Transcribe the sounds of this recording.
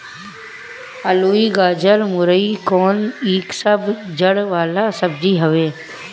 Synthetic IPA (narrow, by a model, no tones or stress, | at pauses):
əluːiːɡaːd͡ʒəlmʊɾəikoːniːksəbd͡ʒəɽʋaːlasəbd͡ʒiːɦəʋeː